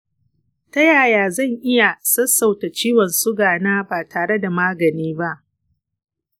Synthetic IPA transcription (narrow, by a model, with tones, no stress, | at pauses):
tɐ˦jaː˨jaː˨zɐ˦˨ŋʔɪ˦ja˨sɐ˦sːa˨wta˨t͡ʃiː˦wɔ˨nsʊ˦ɡaː˨naː˦baː˨tʰaː˨ɽe˦da˨maː˦ɡɐ˨niː˦ba˦ʔ